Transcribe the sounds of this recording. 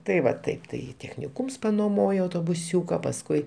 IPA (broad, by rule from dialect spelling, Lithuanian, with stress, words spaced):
tɐɪ ˈʋɐ ˈtɐɪp tɐɪ tʲɛxʲnʲɪˈkuːms noːˈmoːjoː ɐʊtoːbʊˈsʲuːkɐ pɐsˈkʊɪ